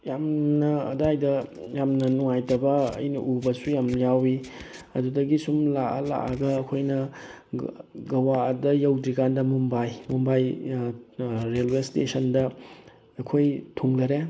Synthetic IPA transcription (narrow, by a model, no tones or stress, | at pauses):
jamnɐɐdajdɐjamnɐnuŋajtɐbɐɐ̰jnɐʔubɐsujamjawi | ɐdudɐɡisumlaɐ̰la̰ʔɐɡɐːkʰojnɐ | ɡɐwadɐjɐwdɾikandɐmumbajmumbaj | ɾelwestḛsʰɐndɐː | kʰojtʰuŋlɐɾe